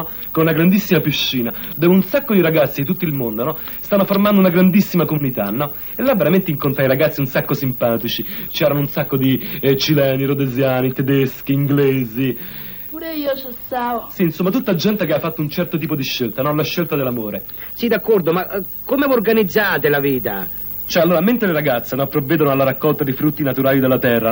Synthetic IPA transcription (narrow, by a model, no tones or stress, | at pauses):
konunaɡɾand̪isːimapiʃːiːnad̪oːvunsakːod̪iɾaɡat̪sːid̪it̪ut̪ːilmond̪onɔst̪anːoformand̪ounaɡɾand̪isːimakomunit̪anːɔ | elːavːeɾament̪eiŋkont̪ɾajɾaɡat̪sːiunsakːosimpaːt̪it͡ʃit͡ʃɛːɾanounsakːod̪it͡ʃilɛːniɾod̪ezjaːnit̪ed̪eskiːŋɡleːzi | puːɾeiːot͡ʃesasinsomːat̪ut̪ːad͡ʒɛnt̪ekeafːat̪ːount͡ʃɛrt̪ot̪iːpod̪iʃːelt̪anɔlaʃːelt̪ad̪elːamoːɾe | sid̪akːɔrd̪oma | kːomevuorɡanid̪zːaːt̪elaviːt̪a̰ | t͡ʃoɛalːoːɾament̪ɾeleɾaɡat̪sːenɔpɾovːɛːd̪onoalːaɾakːɔlt̪ad̪efɾut̪ːinat̪uɾaːlid̪elːat̪ɛrːa